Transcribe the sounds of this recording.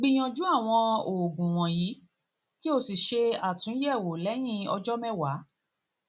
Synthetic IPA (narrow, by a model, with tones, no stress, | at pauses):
ɡ͡bĩ˧j̃ɔ̃˧d͡ʒu˦a˦˨w̃ɔ̃˧o˨ɡũ˨w̃ɔ̃˨ji˨˦ | ki˦o˧si˨ʃe˧a˨tũ˨˦jɛ˦˨wo˨lɛ˨˦j̃ĩ˦ɔ̰˧d͡ʒɔ˦mɛ̃˦wa˨˦